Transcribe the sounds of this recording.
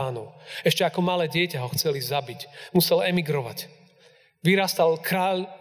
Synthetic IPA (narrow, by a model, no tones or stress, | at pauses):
aːnɔʊɛʃcɛakɔmalɛːɟɪɛcaɦɔxt͡sɛlizabicmusɛlɛmiɡɾɔʋa̰c | ʋiɾaːst̪alkɾaːl